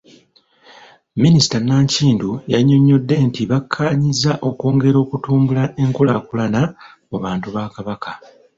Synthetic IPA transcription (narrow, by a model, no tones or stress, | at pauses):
minisi̥tanaːɲciːndujaɲːo̞ɲːo̞dːe̞ntiβakʰːaːɲizaʔo̞koːŋɡe̞ɾo̞ːkutuːmbulae̞ŋkulakulana | muβaːntuβaːkaβaka